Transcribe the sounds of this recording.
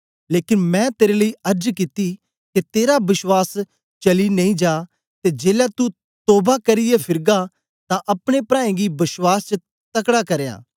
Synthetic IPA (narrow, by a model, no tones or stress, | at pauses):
leːkɪnmɛ̃t̪eːɾeləiɐɾd͡ʒkɪt̪i | ket̪eːɾabɪswaːs | t͡ʃɐlinɐ̃ĩd͡ʒaː | t̪ed͡ʒeːlat̪u | t̪oːbakɐɾɪjepʰɪɾɡa | t̪ãʔɐpɽ̃epɾãːẽɡibɪswaːst͡ʃə | t̪ɐkɽakɐɾja̰ː